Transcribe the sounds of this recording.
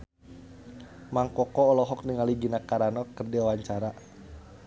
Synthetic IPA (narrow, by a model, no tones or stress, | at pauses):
maŋkɔkɔːlɔɦɔk̚niŋaliɡinakaɾanɔkɨrdiwawaɲt͡ʃaɾa